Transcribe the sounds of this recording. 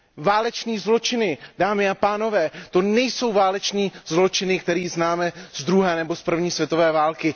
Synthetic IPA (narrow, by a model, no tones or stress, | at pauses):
vaːlɛt͡ʃniːzlo̞t͡ʃɪnɪdaːmɪapaːno̞vɛːt̪o̞nɛjso̞wvaːlɛt͡ʃniːzlo̞t͡ʃɪnɪkt̪ɛɾiːznaːmɛz̥d̪ɾuɦɛːnɛbo̞spr̩vɲiːsvjɛt̪o̞vɛːvaːlkɪ